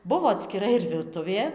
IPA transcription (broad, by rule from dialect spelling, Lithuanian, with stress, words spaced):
ˈbʊʋoː ɐtʲsʲkʲɪˈrɐ ɪr ʋʲɪrˈtʊʋʲeː